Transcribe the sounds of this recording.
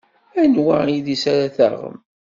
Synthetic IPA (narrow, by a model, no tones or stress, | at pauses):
ænwaiðisaɾaθæ̰ʁə̰m